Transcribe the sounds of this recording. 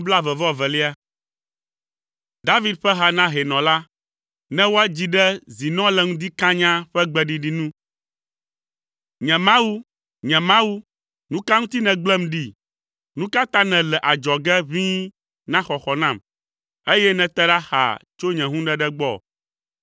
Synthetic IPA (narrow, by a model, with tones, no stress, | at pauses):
bla˦vɛ˨vɔ˦vɛ˨li˦a˦ | d̪a˦vi˦d̪̚ɸɛ˦ɦa˨nã˦ɦɛ˨nɔ̃˨la˦ | nɛ̃˦wo˦ɛ˦d͡ʑi˨ɖɛ˦zi˨nɔ̃˦lɛ˨ŋũ˦d̪i˦kã˦ɲã˦ɸɛ˦ɡ͡bɛ˦ɖi˨ɖi˦nũ˦ | ɲɛ̃˨mã˦wu˦ | ɲɛ̃˨mã˦wu˦ | nũ˦ka˦ŋũ˦t̪i˦nɛ̃˨ɡ͡blɛ˦mɖi˦ | nũ˦ka˦t̪ã˦nɛ̃˨lɛ˨ʔa˨d͡ʒɔ˨ɡɛ˦vĩ˦ | nã˦xɔ˨xɔ˨nã˨m | e˦jɛ˦nɛ̃˨t̪ɛ˦ɖa˦xa̰˨t͡ʃo˦ɲɛ̃˨ɦũ˦ɖɛ˦ɖɛ˦ɡ͡bɔ˦˨